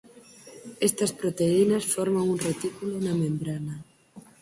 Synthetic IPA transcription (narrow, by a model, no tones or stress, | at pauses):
est̪ɐspɾot̪einɐsfɔɾmaŋunret̪ikulonɐmẽmbɾanɐ